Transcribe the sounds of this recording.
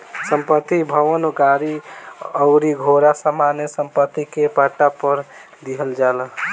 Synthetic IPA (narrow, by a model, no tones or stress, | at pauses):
səmpət̪ːibʱəʋənoɡaɾiəʊɾiɡʱoɾasəmanjesəmpət̪ːikepaʈapəɾ | d̪iɦəld͡ʒalə